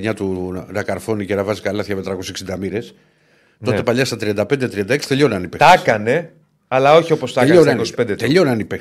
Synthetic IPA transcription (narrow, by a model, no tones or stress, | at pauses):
ɲɐt̪unɐkɐɾfo̞nicenɐvɐzikɐlɐθçɐmet̪ɾɐkoseksind̪ɐmiɾe̞s | t̪o̞t̪e̞paʎɐst̪ɐt̪ɾiɐnd̪ɐpend̪et̪ɾiɐnd̪ɐeksi̥t̪e̞ʎo̞nɐnipet̪ɐkɐne̞ | ɐlɐo̞çio̞post̪ɐʎonnkosi̥pend̪et̪eʎo̞nɐnipe